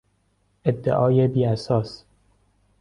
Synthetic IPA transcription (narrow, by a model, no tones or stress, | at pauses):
ʔed̪ːḛʔɒːjebiːæsɒːs